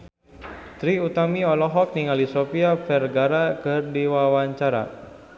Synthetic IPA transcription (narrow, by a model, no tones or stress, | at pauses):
t̪ɾiut̪amiɔlɔɦɔk̚niŋalisopiafɛrɡaɾakɨrdiwawaɲt͡ʃaɾa̰